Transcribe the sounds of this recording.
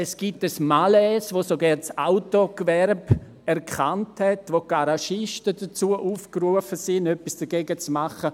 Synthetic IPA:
ɛsɡ̥ip̚təsmalɛːsʋosoɡɛɾt͡saʊtokvɛɾb | ɛɾkʰχanthɛtvokaɾaʃɪʃtədət͡suəʔuːfkɾuəfəsɪnœpisd̥əɡeːɡət͡smaχə

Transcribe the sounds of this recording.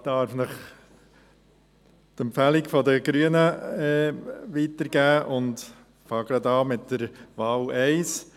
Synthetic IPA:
d̥̪ɑːɾfnəχ | t̪ɛmpfælikfɔd̪əɡɾyənəɛːʋitəɾɡ̥æːʔʊnd | fɑːɡɾɑd̪ɑːmɪtːəɾʋɑːlɛɪs

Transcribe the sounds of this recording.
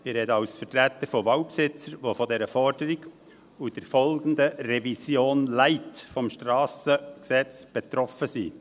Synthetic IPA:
ɪɾɛd̪əɑʊsfərtɾæt̪ːəɾfɔʋɑwpsɪt͡səɾʋofɔdɛɾəfɔɾd̥əɾɪɡ | ʊd̥ɛɾfɔlɡənd̪ərɛvisjoːnlæɪtfɔmʃtɾɑːsəksɛt͡sb̥et̪ɾɔfəsiː

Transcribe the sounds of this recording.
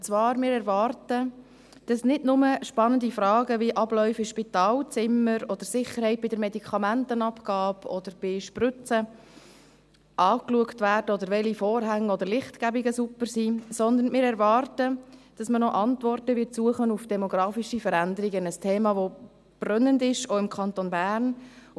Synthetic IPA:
t͡svɑːɾmɪːɾɛɾʋɑːɾtə | d̥ɑsnɪdnʊməʃpɑnəndifɾɑːɡəʋiʔɑblœʏfiʃpitɑːlt͡sɪmːəɾɔd̥̪əɾsɪχəɾhɛɪt̚b̥ɪdəɾmɛdikʰɑmæntənɑpɡɑːbɔd̥əɾb̥ɪʃprʏt͡sə | ʔɑːkluəktʋæːrdəɔd̪əɾʋɛlifoːɾɦæŋːɔd̪əɾlɪχtɡ̥æbiɡəsupːəɾsisɔnd̪ənmɪːɾɛɾʋɑːɾtəd̥ɑsmənɔʔɑntʋɔrtəʋɪtsuəχənufd̥ɛmoɡ̥ɾɑːfiʃifəɾændəɾiɡənəstʰeːmɑːʋo | b̥rœnəndɪʃoɪmkʰɑntonbæːɾn

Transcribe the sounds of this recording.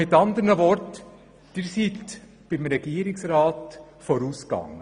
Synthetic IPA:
ɪt̪ɑnd̪əɾnəʋɔɾt | d̥ɪɾsit̪ | b̥ɪmɾɛɡ̥iːəɾɪksɾɑːt̪ | fɔɾuːskɑ̰ŋːə

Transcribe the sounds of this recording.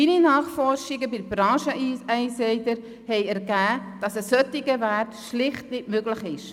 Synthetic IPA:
ininɑːχfɔrʃɪɡəbɪdb̥ɾɑːʃəɛɪsɛɪdəɾ | hɛɪɛɾɡæːd̥ɑsəsœtːɪɡəværtʃlɪχtnɪtmøɡləχɪʃ

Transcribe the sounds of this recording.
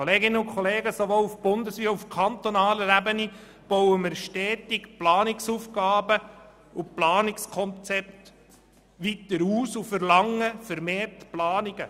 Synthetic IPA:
kʰoleːɡɪnːəʊkʰχoleːɡəsoʋoufb̥ʊnd̪əsviːəufkʰɑnt̪onɑːləɾæbəni | b̥ɔwəmɪɾʃtɛːtikplɑːnɪksuːfɡɑːbə | ʊplɑːnɪkskʰɔnt͡sɛp̚t̪ | ʋit̪əɾuːsufəɾlɑŋːəfəɾmeːrtplɑːniɡ̥ə

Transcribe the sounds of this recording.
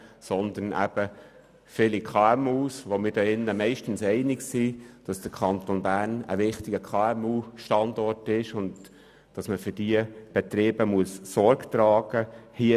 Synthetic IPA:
sɔnd̪ənæ̰b̥ə | fɪlikʰɑːɛmuːsʋomɪdɛɪnːəmɛɪʃtən̩sɛɪnɪksid̥ɑsd̥əkʰɑnt̪onbæːnə̰ʋɪχtɪɡəkʰɑːɛmuːʃtɑndɔrtɪʃʊnd | d̥ɑsməfʏd̥iəb̥ɛt̪ɾeːb̥əmuəsːɔɾɡtɾɑːɡ̥əhi

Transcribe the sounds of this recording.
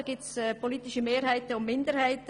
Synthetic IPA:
ɡ̥ɪsɛpʰoliːtɪʃəmeːɾhaɪtəʊmmɪndəɾhaɪtə

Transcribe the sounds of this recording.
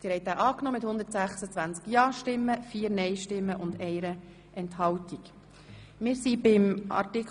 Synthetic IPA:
d̥̪ɪɾhɛjt̪æːʔɑːknɔːmɪthʊnd̪əɾtsæχsət͡sʋænt͡skjɑːʃtɪmːəfiːəɾnɛɪʃtɪmːəʔʊnd̪ɛɪɾə | ʔɛnthɑwtik | mɪːɾsibɪmɑ̰ɾtik

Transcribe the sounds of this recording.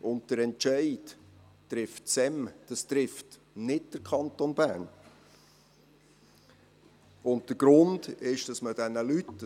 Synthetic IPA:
ʊntd̥əɾɛntt͡ʃɛɪd | tɾɪftsɛmd̥ɑst̪ɾɪft | nɪt̚d̥əɾkʰɑnt̪onbæ̰ːn | ʊntd̥əɾɡ̥ɾʊndɪʃd̥ɑsməd̥ɛnəlytː

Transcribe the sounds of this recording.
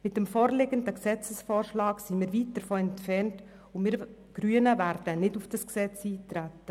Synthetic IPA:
mɪt̚dəmfɔːɾlɪɡəndəksɛt͡səsfɔːɾʃlɑːksimiːɾviːt̚dəɾfoːɛntfɛɾnt | ʊmɪːɾ | ɡ̥ɾyːənəvæɾdənɪdufd̥ɑsksɛt͡siːtɾætːə

